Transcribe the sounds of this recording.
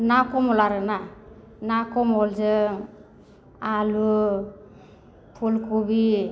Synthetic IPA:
nakɔmɔlaɾɯna | nakɔmɔlzɯŋ | alu | pʰulkʰubi

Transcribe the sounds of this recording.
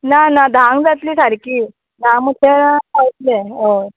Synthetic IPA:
nanad̪ʱãŋɡd͡zat̪liːsaɾkiː | d̪ʱãŋmut̪ʰeɾaawt̪leoɾ

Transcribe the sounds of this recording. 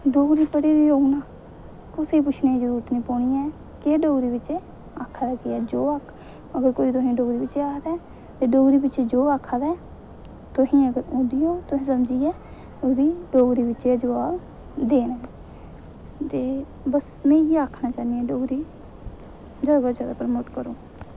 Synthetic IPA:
ɖoːɡɾiːpəɽiːd̪iːoːɡnaː | kʊseːpʊt͡ʃʰneːid͡ʒəɾuːɾət̪nĩːpoːɳiːɛː | keɖoːɡɾiːbɪt͡ʃe | aːkʰaːd̪aːkɪɛːd͡ʒoːaːkʰ | əɡəɾkoːiːt̪ʊɦĩːɖoːɡɾiːbɪt͡ʃeːaːkʰd̪ɛː | t̪eːɖoːɡɾiːbɪt͡ʃeːd͡ʒoːaːkʰaːd̪ɛː | t̪ʊɦĩːəɡəɾõːd̪ɪjoːt̪ʊɦĩːsəmd͡ʒiːɛː | ʊd̪iːɖoːɡɾiːbɪt͡ʃed͡ʒəʋaːb | d̪eːnɛː | t̪eː | bəs | mɛ̃ːjeːaːkʰnaːt͡ʃaːniɛ̃ːɖoːɡɾiː | d͡ʒaːɡaːd͡ʒaːd̪aːpɾəmoːʈkəɾoː

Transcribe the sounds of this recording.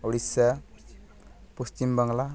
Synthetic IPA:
oɽisa | post͡ʃimbʌŋɡla

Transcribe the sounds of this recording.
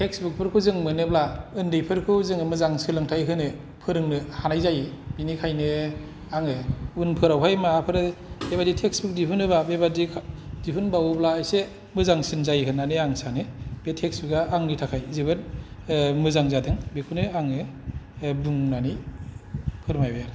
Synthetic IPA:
tʰeksbuk̚pʰɯɾkʰuzɯŋmɯnɯblaɯndɯjpʰɯɾkʰuzɯŋɯmɯzaŋsɯlɯŋtʰajɦɯnɯ | pʰɯɾɯŋnɯhanajzajb̥inikʰajnɯ | aŋɯunpʰɯɾawɦʰajmaːpʰɯɾɯbeβaditʰek̚sbuk̚dipʰɯnɯbabebadikʰdipʰɯnbawublaːjse | mɯzaŋsɯnzajɦɯnanɯaŋsanɯb̥etʰeksbɯɡaaŋnitʰakʰajzibɯt̚ | mɯzaŋzadɯŋbekʰunɯaŋɯ | buŋnani | pʰɯɾmajbajaɾ

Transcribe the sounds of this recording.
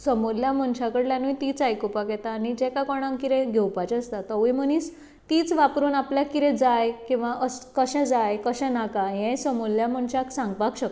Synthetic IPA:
səmuljam̤əɳt͡ɕʰakəɽljanujt̪iːt͡sajkopakjɛt̪aːnid͡ʑɛkakɔɳ̃ãŋkiɾɛ̃ɡʱewpat͡ɕəst̪at̪əʋim̤ənis | t̪iːt͡sʋapɾuːnapljakiɾɛ̃d͡zajkĩw̃ʋaʔəskəɕɛ̃d͡zajkəɕɛ̃nakajɛ̃səmuljam̤əɳt͡ɕaksãŋɡpakɕək

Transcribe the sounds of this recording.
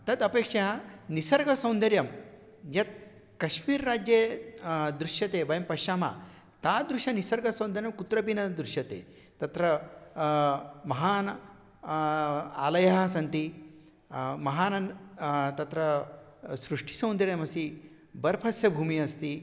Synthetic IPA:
t̪ɐd̪ɐpeːkʂɐanisɐɾɡɐsɐ̃w̃nd̪ɐɾjɐm | jɐt̪̚ | kɐʃmiːɾːaːd͡ʑje | d̪ɾuʃjɐt̪ebɐjɐmpɐʃaːma̰ | t̪aːd̪ɾuʃɐnisɐɾɡɐsɐ̃w̃nd̪ɐɾjɐmkut̪ɾɐpinɐd̪ɾuʃjɐt̪ḛː | t̪ɐt̪ɾɐ | mɐɦaːn | a̰ːlɐjɐɦɐsɐnt̪i | mɐɦaːnɐnt̪ɐt̪ɾɐ | sɾuʂʈi̥sɐ̃w̃nd̪ɐɾjɐmɐsi | bɐɾpʰɐsjɐbʱuːmiɐst̪iː

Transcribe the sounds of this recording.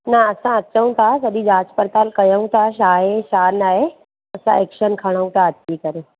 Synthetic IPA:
naɐsãɐt͡ɕəũt̪ʰasəɗid͡ʑaːt͡ɕpəɾt̪aːlkɐjəũt̪ʰaʃaːɦeʃaːnaːɦe | ɐsã̰ekʃənkʰɐɽ̃əũt̪ʰaət̪ːikəɾe

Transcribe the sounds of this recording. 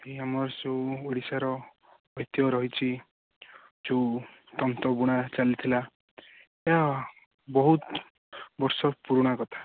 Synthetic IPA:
ɦeamɔɾseũoɽisaɾɔ | ɔjt̪ijɔɾɔɦit͡ʃʰi | d͡ʒeut̪ɔnt̪ɔbuɽ̃at͡ʃalit̪ʰila | eɦa | bɔɦut̪ | bɔɾsɔpuɾɔɽ̃akɔt̪ʰḁ

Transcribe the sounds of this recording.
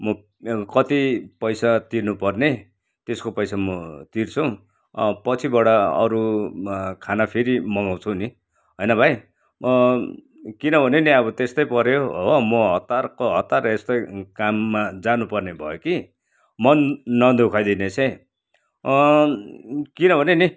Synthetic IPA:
mʌ | kʌt̪ipʌjsat̪irnupʌrne | t̪eskopʌjsamʌt̪irt͡sʰʌ̃ | pʌt͡sʰibaɽaʌ̰ɾu | kʰanapʰeɾimʌɡaw̃t͡sʰuni | ɦʌjnʌbʱaj | kinʌbʱʌneniʌbʌt̪est̪ʌjpʌɾjoʌmʌɦʌt̪ːarkoɦʌt̪ːarʌest̪ʌjkamːad͡zanupʌrnebʱʌ̰joki | mʌnːʌnd̪ʱukʰajd̪inet͡sʰʌ̃j | kinʌbʱʌneni

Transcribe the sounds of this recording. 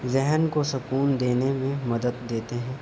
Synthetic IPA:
zɛɦnkosʊkuːnd̪eːnemẽmɐd̪əd̪ːeːt̪eɦɛ̃ː

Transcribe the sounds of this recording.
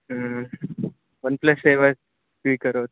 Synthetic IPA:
ə | ʋənpləseʋəs | ʈʋiːkəɾot̪

